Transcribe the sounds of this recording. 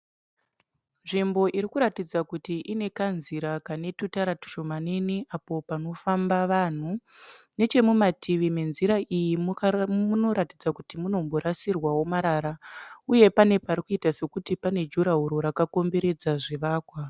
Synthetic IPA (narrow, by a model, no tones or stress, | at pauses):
nʐimbo̞ʔiɾikuɾatid͡zakutiʔine̞kanziɾakane̞tutaɾatu̥ʃo̞maneniʔapo̞pano̞fambaʋan̤u | ne̞t͡ʃe̞mumatiʋime̞nziɾaʔijimmuno̞ɾatid͡zakutimuno̞mbo̞ɾasirwawo̞maɾaɾauje̞pane̞paɾikuitase̞kutipane̞d͡ʒuɾaɦuɾo̞ɾakako̞mbe̞ɾe̞d͡zaʐiʋaːkwa